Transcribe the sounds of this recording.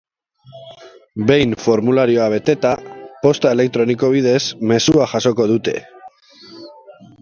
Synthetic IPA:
be̞jnfo̞ɾmulaɾio̞aβe̞t̪e̞t̪apo̞st̪ae̞le̞k̚t̪ɾo̞niko̞β̞ið̞e̞zme̞suaʝaso̞ko̞ðut̪e̞̰

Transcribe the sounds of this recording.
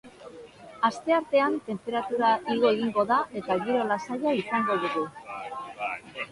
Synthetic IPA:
ast̪e̞aɾt̪e̞ant̪e̞mpe̞ɾat̪uɾaʔiɣoeɣiŋɡo̞ðaʔe̞t̪aɣiɾo̞lasaʎaisaŋɡo̞ðuɣu

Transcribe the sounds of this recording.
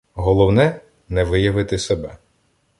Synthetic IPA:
ɦɔlˠɔwnɛ | nɛʋɪjɐʋɪt̪ɪsebɛ

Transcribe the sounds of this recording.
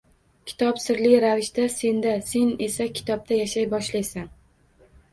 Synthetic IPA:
kʲʰɪ̥t̪ʰɒpsɪɾlɪɾavɪʃt̪ase̞nd̪ase̞ne̞sakʲʰɪ̥t̪ʰɒp̚t̪ʰajaʃajbɒʃlajsan

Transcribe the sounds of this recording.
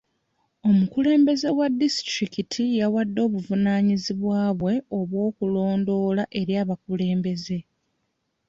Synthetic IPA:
o̞mukule̞ːmbe̞ze̞wadːisi̥tɾikitʰijawadːo̞ːβuvunaːɲiziβwaːβwe̞o̞βwo̞ːkulo̞ːndo̞ːlaʔe̞ɾjaːβakule̞ːmbe̞ze̞

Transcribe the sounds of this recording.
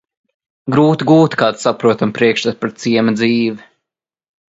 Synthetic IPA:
ɡɾuːt̪iɡuːt̪kaːd̪sapɾuɔt̪ampɾiɛkʃt̪at̪̚paɾt̪siɛmɐd̪ziːʋi

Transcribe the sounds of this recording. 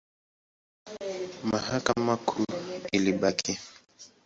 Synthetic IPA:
mahakamakʰuiliɓakʰi

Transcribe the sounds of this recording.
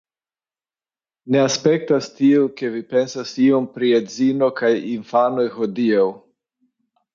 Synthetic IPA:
ne̞aspe̞k̚tastiuke̞vipe̞nsasiompɾiezino̞kajinfano̞jxo̞diaw

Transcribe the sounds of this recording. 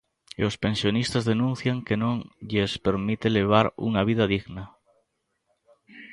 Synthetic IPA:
ospẽnsjonist̪azðenũn̟θjaŋkenõŋʎespeɾmit̪eleβ̞aɾṵŋaβ̞iðaðiɣna

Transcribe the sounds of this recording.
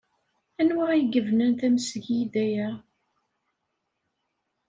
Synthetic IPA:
ænwaʁjɡəvnənθæmsʝid̪æjæ

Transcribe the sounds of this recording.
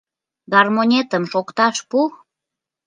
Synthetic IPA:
ɡɑrmonʲet̪əmʃokt̪ɑʃpu

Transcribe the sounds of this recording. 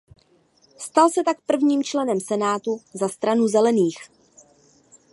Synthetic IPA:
st̪alsɛt̪ak̚pr̩vɲiːmt͡ʃlɛnɛmsɛnaːt̪uzast̪ɾanuzɛlɛniːx

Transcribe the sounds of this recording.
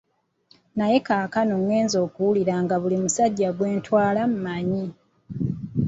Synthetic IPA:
naje̞kaːkanomwe̞ːnzo̞ːkuwuliɾaŋɡaβulimusaɟːaɡwe̞ːntwaːlamumaɲi

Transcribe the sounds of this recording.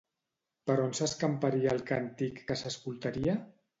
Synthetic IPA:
pəɾonsəskampaɾiaːlˠkant̪ikːəsəskulˠt̪aɾia

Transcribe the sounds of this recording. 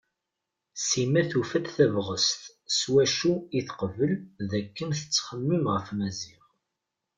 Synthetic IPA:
simæθufæd̪θævʁəst̪ | swæʃuiθqəvəlðækːənθə̥t͡sːχəmːəmʁəfmæziʁ

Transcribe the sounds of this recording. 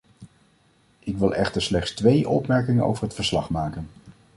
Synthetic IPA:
ʔɪkʋɪlˠɛχtəɹslɛχtstʋejʔɔpmɛɹkɪŋəno̰wvəɹɦətfəɹslɑχmaːkən

